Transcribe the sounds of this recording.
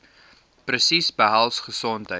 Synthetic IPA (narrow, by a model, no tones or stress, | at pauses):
prəsisbəɦælˠsχəsɔntɦə